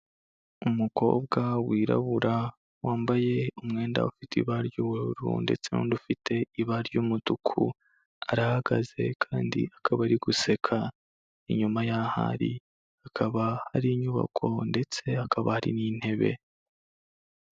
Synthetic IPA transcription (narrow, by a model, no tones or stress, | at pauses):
umuko̞̰ːb̚ɡawiːɾa̰βuɾa | waːmbaje̞umŋe̞ːnda̰ufitḭβaɾɟuwuɾuɾṵnde̞̰t͡se̞no̰ndufitʰe̞iβaɾɟuːmutukʰṵ | a̰ɾahaɡaze̞̰kʰaːndḭakʰaβaɾiɡuse̞kʰa | ḭɲumajaha̰ɾi | akʰaβahaɾiɲuβa̰kʰo̞nde̞t͡se̞akaβahaɾḭnin̥he̞βe̞̰